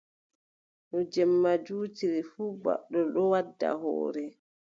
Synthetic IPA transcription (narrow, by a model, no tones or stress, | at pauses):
ɗɔd͡ʒɛmːad͡ʒuːtiɾifuːba̰ɗːɔɗɔwadːa̰ɦɔ̰ːɾɛ